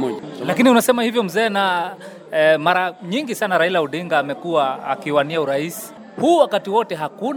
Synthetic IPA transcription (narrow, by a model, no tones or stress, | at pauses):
lakiniunasɛmahivjɔm̩zɛːna | maɾaɲiŋɡisanaɾailauɗiŋɡaːmɛkuaakiwaniauɾaisi̥ | huːwakatiwɔtɛɦaku